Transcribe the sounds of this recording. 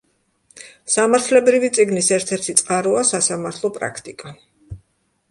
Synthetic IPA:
samaɾt̪ʰlɛbɾivit̪sʼiɡnisɛɾt̪ʰɛɾt̪ʰit̪sʼqʼaɾuasasamaɾt̪ʰlˠɔpʼɾa̰kʰt̪ʼikʼa

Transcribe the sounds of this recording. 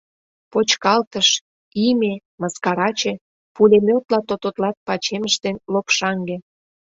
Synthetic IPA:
pot͡ɕkɑlt̪əʃ | ime | mɑskɑɾɑt͡ɕe | pulʲemʲot̪lɑt̪ot̪ot̪lɑt̪̚pɑt͡ɕeməʃd̪enlopʃɑŋɡe

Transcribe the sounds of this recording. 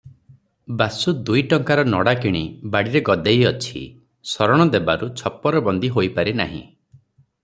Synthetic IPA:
basud̪ujʈɔŋkaɾɔnɔɽakiɽ̃ibaɽiɾeɡɔd̪ejɔt͡ʃʰḭ | sɔɾɔɽ̃ɔd̪ebaɾut͡ʃʰɔpːɔɾɔbɔnd̪iɦojpaɾina̰ɦḭ̃

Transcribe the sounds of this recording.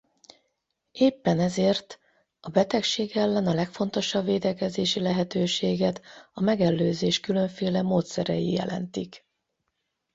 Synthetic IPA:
eːpːɛnɛzeːrt̪ | ɒbɛt̪ɛkʃeːɡɛlːɛnɒlɛkfo̞nt̪o̞ʃɒbveːd̪ɛkɛzeːʃilɛɦɛt̪øːʃeːɡɛt̪ɒmɛɡɛlːøːzeːʃkylø̞ɱfeːlɛmoːt̪sɛɾɛ̰jḭjɛ̰lɛ̰nt̪ik

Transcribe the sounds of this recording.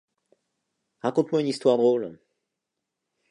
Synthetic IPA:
ʁakɔ̃t̪mwaynist̪waʁd̪ʁol

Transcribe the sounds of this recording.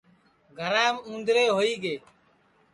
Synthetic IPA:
ɡʱəɾãːmũːnd̪ɾeːɦoːiːɠeː

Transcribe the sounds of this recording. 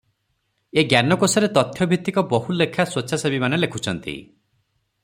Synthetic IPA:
eɡjanɔkosɔɾet̪ɔt̪ʰjɔbʱit̪ːikɔbɔɦulekʰaswoʃʰasebimanelekʰut͡ʃʰɔnt̪ḭ

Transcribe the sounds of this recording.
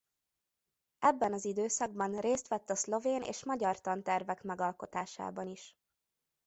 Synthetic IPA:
ɛbːɛnɒzid̪øːsɒɡ̚bɒnreːst̪ʋɛt̪ːɒslo̞veːnḛːʃmɒɟɒrt̪ɒnt̪ɛrvɛkmɛɡɒlko̞t̪a̰ːʃa̰ːbɒniʃ

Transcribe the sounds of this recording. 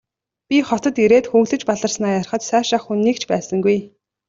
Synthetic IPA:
pʲiχɔt̪ɞ̆t̪iɾeːt̪xuɣɮɘ̆t͡ɕpaɮə̆rsnaːjarχə̆t̪sæːʃaχxunːiːkt͡ɕʰpæːsə̆ŋɡuj

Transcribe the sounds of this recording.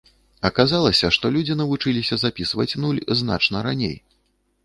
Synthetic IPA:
ɐkazalˠɐsʲɐʂt̪ɔlʲud͡zʲinɐvut͡ʂɨlʲisʲɐzapʲisvɐt͡sʲnulʲzna̰t͡ʂnɐɾanʲḛj

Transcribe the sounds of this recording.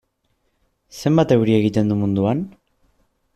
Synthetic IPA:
se̞mbat̪e̞wɾie̞ɣit̪e̞nd̪umund̪uan

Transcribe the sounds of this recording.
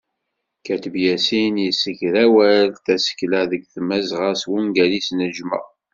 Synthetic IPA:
kæt̪əbjæsinjəsəçɾæwælθæsə̥kːlæðəɡθmæzʁəswuŋɡælisnəʒmə̰ʁ

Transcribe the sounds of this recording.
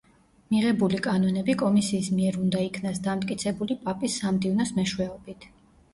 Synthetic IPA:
miʁɛbulikʼanɔnɛbikʼɔmisiːsmiɛɾund̪aikʰnasd̪amt̪ʼkʼit̪sʰɛbulipʼapʼisːamd̪ivnɔsmɛʃwɛɔbit̪ʰ

